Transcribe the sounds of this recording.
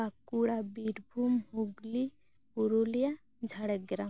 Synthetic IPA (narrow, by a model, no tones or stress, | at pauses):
akuɽabiʈbʱumhuɡli | uɾolija | d͡ʒʱaɽɛɡɾa